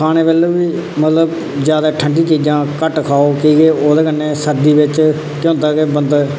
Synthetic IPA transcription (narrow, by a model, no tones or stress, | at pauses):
kʰaːñeːbeːloːʋiː | mət̪ləb | d͡ʒjaːd̪aːʈʰəɳɖiːt͡ʃiːd͡ʒãːkəʈkʰaːoːkiːɡeːoːd̪eːkənːeːsəɾd̪iːbɪt͡ʃ | kjõːnt̪aːkeːbənd̪